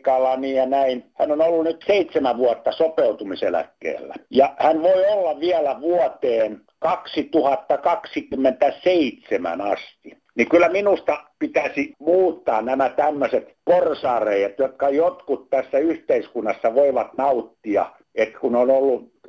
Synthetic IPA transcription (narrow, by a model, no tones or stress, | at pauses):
kɑlːɑnijɑnæinhænonolːunyt̪seit̪semæʋʋuɑt̪ːɑsopeut̪umiselæ̰kːḛːlːæ̰jɑhænʋoiolːɑʋiælæʋuɔt̪eːn | kɑksit̪uhɑt̪ːɑkɑksikymːent̪æseit̪semæ̰nɑst̪i | nikylːˑæminust̪ɑpit̪æsimuːt̪ːɑːnnæmæt̪æmːøset̪porsɑːreijæt̪jot̪kɑjot̪kut̪t̪æsːæyht̪eiskunːɑsːɑʋoiʋɑt̪nɑut̪ːiɑ̰ | et̪kunonolːu